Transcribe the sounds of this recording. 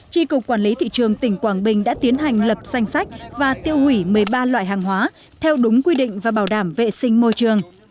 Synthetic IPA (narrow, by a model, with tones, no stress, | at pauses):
t͡ɕi˧kʊ˨˩k͡p̚kwaː˧˩nli˨˦t̪ʰḭ˧˨t͡ɕɨ˨˩əŋt̪ï˧˩ŋ̟kwaː˧˩nɓï˨˩ŋ̟ɗa̰ː˧˥t̪i˨˦ənɦa˨˩jŋ̟lə˨˩p̚za˧jŋ̟sa˦˥jk̟̚vaː˨˩t̪i˧əwhwi˧˩mɨ˨˩əjɓaː˧lwa̰ː˧˨jɦaː˨˩ŋɦwaː˨˦ | t̪ʰɛ˧wɗʊ˨˦ŋ͡mkwi˧ɗḭ˧˨ŋ̟vaː˨˩ɓaː˧˩wɗaː˧˩mvḛ˧˨sï˧ŋ̟mo˧jt͡ɕɨ˨˩əŋ